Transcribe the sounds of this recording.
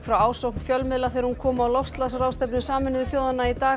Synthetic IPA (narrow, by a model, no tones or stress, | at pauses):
fɾawaːwsowhknfjœlmɪðlaθɛːɾhunkʰɔːmaːwlɔfst̪lasɾaːwst̪ɛpnʏsaːmɪnɪðʏθjoːwðanːait̪aː